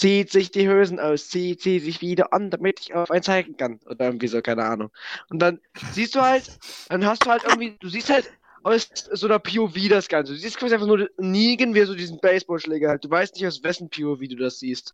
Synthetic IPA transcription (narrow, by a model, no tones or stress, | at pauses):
z̥iːtz̥ɪçd̥iːhøːzn̩ʔaʊsz̥iːtz̥iːtzɪçv̥iːdɐ̰ʔa̰nd̥amɪtɪçaʊfʔaɪnt͡saɪɡŋ̩kanʔo̰ːdɐʔɪɐɡŋ̩tv̥iːzoːkʰaɪnəʔa̰ːnʊ̰ŋʔʊnt̚d̥anz̥iːstd̥uːhaltd̥anɦastd̥uːhalt̚ʔɪɐɡŋ̩tv̥iːd̥uːziːsthalt | ʔaʊszoːnɐpʰioviːdasɡ̥ant͡səduːzist̚kv̥aːziaɪfaχnuːɐdniːɡənviːdɐzoːdiːzn̩bɛɪsb̥ɔːlʃlɛːɡəhalt̚d̥uːvaɪstnɪçtaʊsv̥ɛsçn̩pʰioviːduːdasz̥iːst